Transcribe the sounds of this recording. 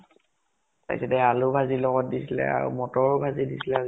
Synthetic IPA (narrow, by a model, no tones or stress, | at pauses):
pa̰jsɛdɛalʊbʱazilɔɡɔt̚disilɛ̰a̰ɹṵmɔtɔɹbʱazidisilɛ